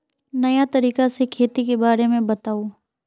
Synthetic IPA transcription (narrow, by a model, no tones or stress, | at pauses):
nɐjat̪ɐɾiːkasekʰeːt̪ikebaːɾemẽbɐt̪aːoː